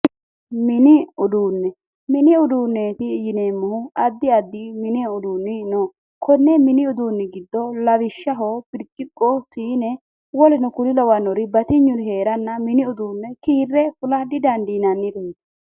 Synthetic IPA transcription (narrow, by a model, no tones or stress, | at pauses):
mɪnɪʊd̪uːnːɛ | mɪnɪʊd̪uːnːeːt̪ɪjɪneːmːʊhʊɐd̪ːɪɐd̪ːiːmɪneːʊd̪uːnːɪnɔ | kʰɔnːɛmɪnɪʊd̪uːnːɪɡɪd̪ːɔlɐβɪʃːɐɦobɪɾt͡ʃʼːɪkʼːɔsiːnɛ | wɔlɪnɔkʊlɪlɔwɐnɔɾɪbɐt̪ɪɲːʊɾɪheːɾɐnːɐmɪnɪʊd̪uːnːɛkiːrːɛfʊlɐd̪ɪd̪ɐnd̪iːnɐnːɪɾe